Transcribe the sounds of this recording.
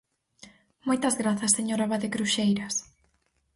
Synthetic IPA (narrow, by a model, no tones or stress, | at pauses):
mojt̪ɐzɣɾaθɐseɲoɾaβaðekɾuʃejɾɐs